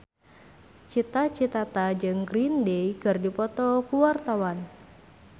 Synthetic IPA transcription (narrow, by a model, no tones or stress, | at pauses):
t͡ʃit̪at͡ʃit̪at̪ad͡ʒɨŋɡɾindejkɨrdipɔt̪ɔkuwart̪awan